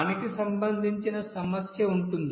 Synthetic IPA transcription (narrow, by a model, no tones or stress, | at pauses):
ɐnɐkisɐmbɐnd̪ʱiɲt͡ʃinɐsɐmɐsjɐuɳʈund̪